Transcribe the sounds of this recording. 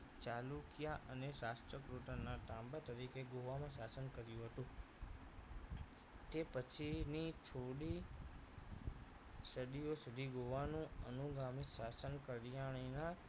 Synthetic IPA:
t͡ʃalukijaʔəneɾasʈɾəkɾuʈanaʈãmbat̪əɾikeɡoʋamãsasənkəɾjũɦət̪ũ | t̪epət͡ʃʰinit͡ʃʰoɽi | səɽiosud̪ʱiɡoʋanũənuɡamisasənkəɾjaɭ̃ina

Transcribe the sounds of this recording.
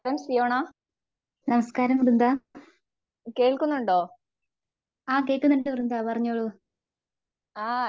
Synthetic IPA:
ɾɐmsijoːɳaː | nɐmɐskaːɾɐmrund̪aː | keːɭkunːuɳɖoː | aːkeːkːunːɐɳʈːɨrund̪aːpɐrɐɲːoːɭu | aː

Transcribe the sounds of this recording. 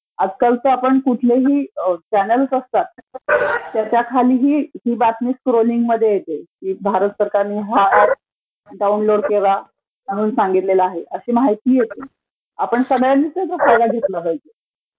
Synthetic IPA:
ad͡zkalt͡s̪əapəɳkuʈʰleɦiːt͡ɕænəlsəst̪at̪̚ː | jat͡ɕakʰaliːɦiːɦiːbat̪niːkskɾoliŋɡməd̪ʱːjejet̪ekiːbʱaɾət̪səɾkaɾniɦa | ɖaunloɽkeʋa | məɽ̤uːnsãŋɡit̪lelaːɦeʔəɕiːmaɦajt̪iːjet̪e | apəɳsəɡəjanːisəjt̪əfajd̪aɡʱet̪labajd͡ʑe

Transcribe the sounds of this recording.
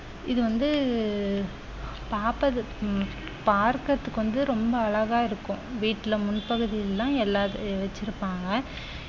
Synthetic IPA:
ɪðɯʋɐnd̪ɯ | paːpɐðɯ | paːɾkɐt̪ːɯkːɯʋɐnd̪ɯɾɔmbɐːɻɐɣaːɪɾɯkːʊ̃ʋiːʈːɪlɐmʊnpɐɣɯðɪjllːãːɛlːaːðʋɐt͡ʃːɪɾɯpːaːŋɡɐ

